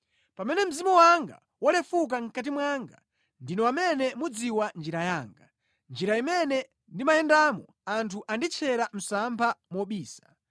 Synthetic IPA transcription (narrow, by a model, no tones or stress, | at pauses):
pamɛnɛm̩zimɔwaŋɡa̰ | wɔlɛfuk̬aŋ̩kat̬imwaŋɡa̰ | ndinɔwamɛnɛmud͡ziwand͡ʒiɾajaːŋɡa | nd͡ʒiɾaimɛnɛ | ndimajɛndamɔ | antʰuʔandit͡ʃʰɛɾam̩sampʰamɔɓiːsḁ